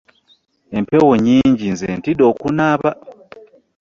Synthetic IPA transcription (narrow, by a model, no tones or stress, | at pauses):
empewoɲiːɲɟinzentidokunaβa